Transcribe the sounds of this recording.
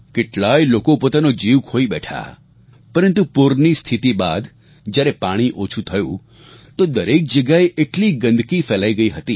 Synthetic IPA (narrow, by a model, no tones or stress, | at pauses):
keʈɭajlokopot̪anod͡ʒiʋkʰoibɛʈʰa̰ | pəɾənt̪upuɾnist̪ʰit̪iba̰d̪ | d͡ʒjaɾɛpaɽ̃iʔot͡ʃʰut̪ʰəjṵ̃ | t̪od̪əɾek̚d͡ʒəɡjaeʔeʈliɡə̃nd̪ʱkifɛlaiɡəiɦət̪i